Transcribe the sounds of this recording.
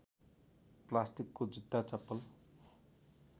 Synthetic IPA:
plasʈikːod͡zid̪ːat͡sʌpːʌl

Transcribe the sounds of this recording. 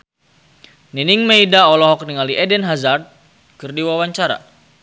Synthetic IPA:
niniŋmeidaɔlɔɦɔk̚niŋaliʔɛdɛnɦazart̪̚ | kɨrdiwawaɲt͡ʃaɾa̰

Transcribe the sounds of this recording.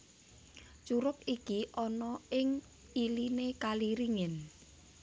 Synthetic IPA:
t͡ʃuɾʊk̚ikiʔɔnɔɪŋ | ilinekaliɾiŋɪn

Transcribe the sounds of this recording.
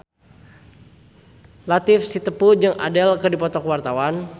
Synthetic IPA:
lat̪ɪfsit̪əpud͡ʒɨŋa̰dɛlkɨrdipɔt̪ɔkwart̪awan

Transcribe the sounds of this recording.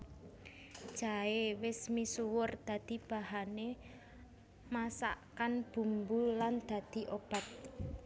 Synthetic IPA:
d̥ʒ̥aewɪsmisuwʊrd̪̥ä̤d̪̥i̤b̥a̤hane | masa̰ʔkanb̥ṳmbuland̪̥a̤d̪̥i̤ʔob̥a̤t̪̚

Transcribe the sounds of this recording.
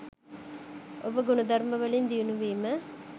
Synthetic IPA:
ʔobəɡunɐd̪ʱɐɾməʋəlind̪ijunuʋiːmə

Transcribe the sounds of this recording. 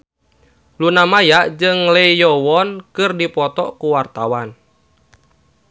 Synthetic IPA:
lunamajaʔd͡ʒɨŋlɛjɔwɔnkɨrdipɔt̪ɔkuwart̪awan

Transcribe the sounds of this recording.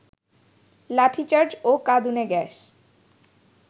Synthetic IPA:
laʈʰit͡ɕaɾd͡ʑokad̪uneɡɛs

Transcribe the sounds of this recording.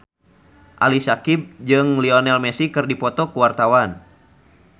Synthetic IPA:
ʔa̰lisakib̚d͡ʒɨŋliɔnɛlmɛsikɨrdipɔt̪ɔkuwart̪awan

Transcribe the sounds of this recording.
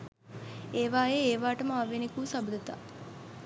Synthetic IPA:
eːʋaːeːʋaːʈəməaʋenekuːsabud̪ət̪a̰ː

